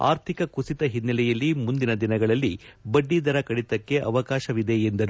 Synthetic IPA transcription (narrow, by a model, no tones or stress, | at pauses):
a̰ːɾt̪ʰikɐkusit̪ɐɦinːɐlɛjɐlːimund̪inɐd̪inɐɡɐɭɐlːibɐɖːid̪ɐɾɐkɐɽit̪ɐkːe̞ʔɐ̰ʋɐkaːʃɐʋid̪e̞ːnd̪ɐɾu